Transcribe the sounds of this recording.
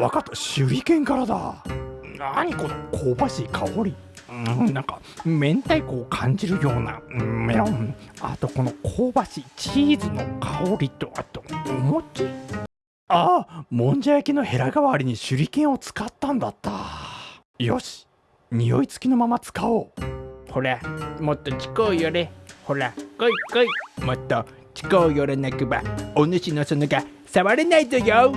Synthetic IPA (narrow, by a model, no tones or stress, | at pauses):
βakat̪ːaɕɨɾʲikẽ̞ŋkaɾad̪a̰naɲ̟iko̞no̞kʰoːbaɕiːkʰaoɾʲi | ɯ̃nãŋka | mẽ̞nt̪aikoːkʰãɲ̟d͡ʑiɾɯ̟jo̞ːna̰ɯ̃meɾoa̰t̪o̞ko̞no̞kʰoːbaɕit͡ɕiːzɨno̞̰kʰaoɾʲit̪o̞at̪ːoomot͡ɕi | aːmõ̞ɲ̟d͡ʑajakeno̞he̞ɾaɡaβaɾʲiɲ̟iɕɨɾʲikẽ̞ɰ̃o̞t͡sɨ̥kat̪ːãnd̪at̪ːa | jo̞̰ɕi̥ | ɲ̟ijo̞̰it͡sɨ̥kʲino̞mamat͡sɨ̥kaoːho̞ɾamot̪ːot͡ɕi̥koːjoɾeho̞ɾakoikoimot̪ːo | t͡ɕi̥koːjoɾenakɯbaonɯ̟ɕinosonoɡa | saβaɾenait̪ojo